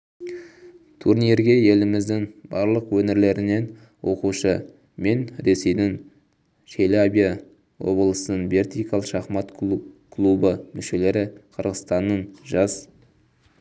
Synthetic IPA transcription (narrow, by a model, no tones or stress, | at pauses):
t̪ʰuɾnijeɾɡʲe̞je̞lɪmɪzd̪ɪŋbɑɾlˠəqwɵneɾle̞ɾɪne̞n | wo̞quʃə | me̞nɾe̞se̞jd̪ɪŋ | ʃʰelabʲija | wo̰blˠəsənənbe̞rt̪ijkalˠʃɑχmɑt̪kʰlˠubəmʏʃe̞le̞ɾɪqʰəɾʁəst̪ɑnːəɴʒɑs